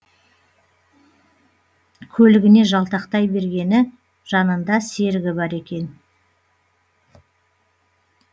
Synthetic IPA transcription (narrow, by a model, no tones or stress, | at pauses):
kʲʰɵlɪɡʲɪne̞ʒɑlˠt̪ɑqt̪ɑjbe̞ɾɡʲe̞nɪ | ʒ̥ɑnənd̪ɑse̞ɾɡʲɪbɑɾe̞kʲe̞n